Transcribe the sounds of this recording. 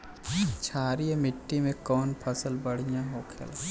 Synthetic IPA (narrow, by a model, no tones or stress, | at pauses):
t͡ʃʰaːɾiemɪʈːimẽkɔːnpʰɐsəlbɐɽ̤ijãɦoːkʰḛl